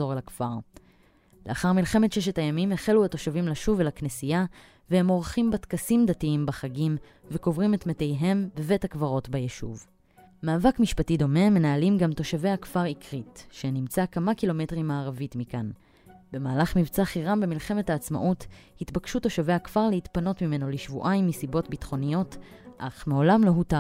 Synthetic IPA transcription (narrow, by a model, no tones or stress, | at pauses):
zo̞ʁlakfaʁ | leaχaʁmilχe̞me̞tʃeʃetajamimeχeluato̞ʃavimlaʃuvlaknesija | vehe̞mo̞ʁχimbatkasimd̪atiimbaχaɡim | veko̞vʁime̞tmetejɦe̞mbeve̞thakvaʁo̞tbajeʃṵv | maːvakmiʃpatido̞me̞me̞naːlimɡamto̞ʃave̞jhakfaʁikʁitʃenimt͡sakamakilo̞me̞tʁimaːʁavitmikan | be̞maːlaχmivt͡saχiʁambemilχemethaːt͡sma̰ʔuthitbakʃuto̞ʃave̞akv̥aʁlehitpano̞tmime̞no̞liʃvṵʔajmːisibo̞tbitχo̞nijo̞t | ʔaχmeo̞lamloɦuta